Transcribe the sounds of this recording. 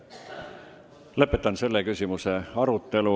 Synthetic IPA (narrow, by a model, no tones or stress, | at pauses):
lɤpːˑe̞t̪ːˑɑnse̞lːekysʲimuse̞ɑɾut̪ːˑe̞lu